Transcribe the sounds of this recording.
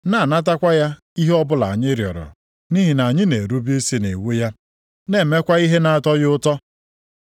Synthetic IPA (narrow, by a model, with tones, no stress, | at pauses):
na˦˨na˦t̬a˦kʷa˦ja˦ | i˦ɦe˦ɔ˦bʊ˦la̰˨ɲɪ˦ɾjɔ̰˨ɾɔ̰˨ | ni˦ɦi˨na˨a˨ɲɪ˦ne˨ɾu˦bi˦e˦si˦ne˨wu˦ja˦ | ne˦˨me˦kʷa˦i˦ɦe˦na˨a˨tɔ˦jʊ˦ʊ˦tɔ˦